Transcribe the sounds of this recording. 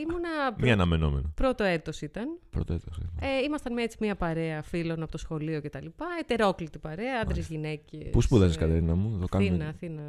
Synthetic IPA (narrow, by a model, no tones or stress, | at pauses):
imonɐmɐːnɐmeno̰mḛnopɾot̪o̞et̪o̞sit̪ɐnpɾot̪oet̪osieimɐst̪ɐnmet͡simiɐpɐɾeɐfilo̞nɐpo̞t̪osxo̞lio̞ce̞t̪ɐlipɐet̪e̞ɾo̞klit̪ipɐɾeɐɐnd̪ɾezʝinecḛspuspuðɐziskɐt̪eɾinɐmuðokɐninɐθinɐ